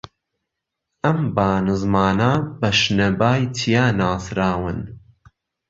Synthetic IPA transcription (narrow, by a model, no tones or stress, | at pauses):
ʔɐmbaːnɨzmaːnaːbɐʃnɐbaːjt̪ʰijaːnaːsɾaːwɨn